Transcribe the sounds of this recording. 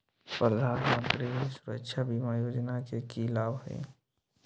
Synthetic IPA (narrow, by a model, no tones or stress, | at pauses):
pɾəd̪ʱaːnmə̃nt̪ɾisʊɾə̰kʃʰabʱimajoːd͡ʒnakekilaːbɦɛ̰̃ː